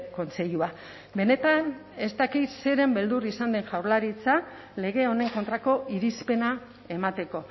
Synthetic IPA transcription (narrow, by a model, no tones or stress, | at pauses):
ko̞nt͡se̞ʎua | be̞ne̞t̪an | e̞st̪akit̪se̞ɾe̞mbe̞ld̪urisand̪e̞ŋʝawɾlaɾit͡sa | le̞ɣ̞e̞o̞ne̞ŋko̞nt̪ɾako̞iɾispe̞na | e̞mat̪e̞ko̞